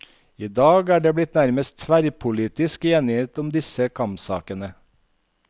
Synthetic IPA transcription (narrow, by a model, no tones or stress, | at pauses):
iːd̪ɑːɡæːɖeːblɪt̪næɾməst̪ʰʋæɾpʰʊliːt̪ɪskeːnɪeːt̪ʊmd̪ɪsəkʰɑmpsɑ̰ːkənə